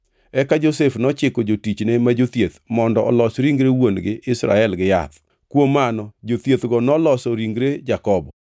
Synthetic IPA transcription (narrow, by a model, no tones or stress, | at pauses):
ɛkad͡ʒosefnɔt͡ʃɪkod͡ʒotit͡ʃnemad͡ʒot̪jet̪mɔndɔʔɔlɔsɾiŋɡɾewonɡɪʔɪsɾa̰ɛlɡɪja̰t̪ | kwomːanɔd͡ʒot̪jet̪ɡɔnɔlɔsɔɾiŋɡɾed͡ʒakɔbɔ